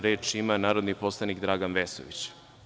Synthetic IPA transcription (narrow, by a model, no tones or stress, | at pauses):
ɾeːt͡ʃimanaːɾod̪niposlˠanikd̪ɾaːɡanʋesoʋḭt͡ɕ